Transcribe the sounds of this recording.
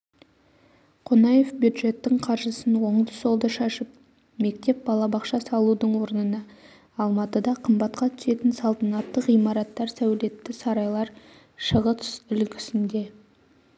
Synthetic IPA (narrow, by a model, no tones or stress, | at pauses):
qʰonɑje̞fbjud̪ʒe̞t̪ːɪŋqʰɑɾʒəsənwo̞ɴd̪əso̞lˠd̪əʃɑʃəp̚ | me̞k̚t̪e̞p̚bɑlˠɑbɑqʃɑsɑlˠud̪əɴwo̞ɾənənɑː | lˠmɑt̪əd̪ɑqʰəmbɑt̪qɑt̪ʰʏ̥se̞t̪ɪnsɑlˠt̪ɑnɑt̪ːəqijmɑɾɑt̪ːɑɾsæwle̞t̪ːɪsɑɾɑjlˠɑɾ | ʃəʁət̪ʰsʏlkʲɪ̥sɪnd̪e̞